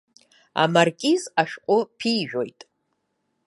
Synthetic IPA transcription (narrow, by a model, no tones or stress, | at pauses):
a̰markʲʼizaʃqʷʼʊpʰiʒᶣo̞jtʼ